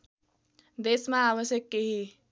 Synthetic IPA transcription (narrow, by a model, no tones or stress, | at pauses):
d̪esmãaβəsjəkːeɦi